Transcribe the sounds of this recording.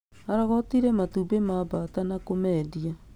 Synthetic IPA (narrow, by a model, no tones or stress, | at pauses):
aɾaɣɔtiɾɛmatubemabatanakomɛdia